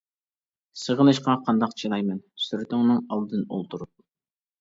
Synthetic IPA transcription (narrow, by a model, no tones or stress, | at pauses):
səʁənɨʃqɑqʰɑnd̪ɑqt͡ʃʰinɑjmɛnsyɾɪt̪ʰɪŋnɨŋɑlˠd̪ɨno̰lˠt̪ʰuɾup̚